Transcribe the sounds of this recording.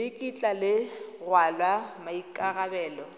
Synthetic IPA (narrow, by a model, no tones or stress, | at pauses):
ɪkʼit͡ɬʼalɪrwalwamaikʼaɣabɛːlɔ